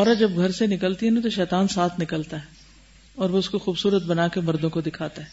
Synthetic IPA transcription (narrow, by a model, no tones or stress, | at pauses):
ɔːɾad͡ʒɐbɡʱɐɾsenɪkəlt̪iɦɛnat̪̬oʃɛːt̪aːnsaːt̪ʰnɪkəlt̪aɦɛ | ɔːɾʋoʊskoxuːbsuːɾət̪̚bɐnaːkemɐɾd̪õkod̪ɪkʰaːt̪aɦɛː